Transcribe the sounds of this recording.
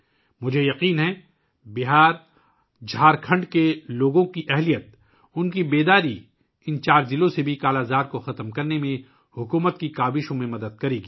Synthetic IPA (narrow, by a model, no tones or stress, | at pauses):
mʊd͡ʒʱejɐqiːnɦɛ | bɪɦaːɾ | d͡ʒʱaːɾkʰɐ̃ɳɖkeloːɡõkiʔɛɦlijət̪̚ | ʊnkibeːd̪aːɾi | ɪnt͡ʃaːɾzɪlõsebʱikaːlaːzaːɾkoxɐt̪mkɐɾnemẽ | hʊkuːmət̪̚kikaːbɪʃõmẽmɐd̪əd̪̚kɐɾeːɡiː